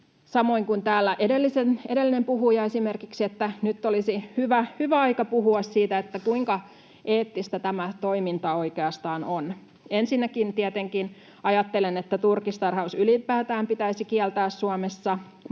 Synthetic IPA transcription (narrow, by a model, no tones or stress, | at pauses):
sɑmoiŋkunt̪æːlːæʔedelːisenedelːinempuɦujɑesimerkiksiet̪ːænyt̪ːolisihyʋæhyʋæɑikɑpuɦuɑssiːt̪æet̪ːækuiŋkɑ | ʔeːt̪ːist̪æt̪æmæt̪oimint̪ɑoikeɑst̪ɑːnon | ensinːækint̪iɛt̪eŋkin | ɑjɑt̪ːelenet̪ːæt̪urkist̪ɑrhɑusylipˑæːt̪æːmpit̪æisikiɛlt̪æːssuɑmesːɑ